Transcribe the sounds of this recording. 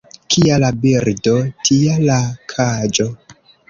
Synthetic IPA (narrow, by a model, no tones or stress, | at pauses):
kʰialabiɾdotʰialakʰad͡ʒo